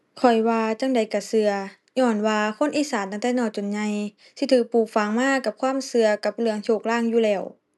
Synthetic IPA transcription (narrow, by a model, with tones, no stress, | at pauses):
kʰɔ˨˩jwaː˧t͡ɕa˧˥˨ŋda˨˩jka˧˩sɯ˧ɐ | ɲɔː˧˩nwaː˧kʰo˧˥˨nʔiː˧˩saː˨˦nt̪a˧ŋt̪ɛː˧˥˨nɔː˧˩t͡ɕo˨nɲa˧j | sʰi˧t̪ʰɯː˧˩k̚puː˨˩k̚fa˨˧˦ŋmaː˧˥˨ka˧˦p̚kʰwaː˧˥˨msɯ˧ɐka˧˩p̚lɯ˧əŋt͡ɕʰoː˧˩k̚laː˧˥˨ŋjuː˧˩lɛː˧˩w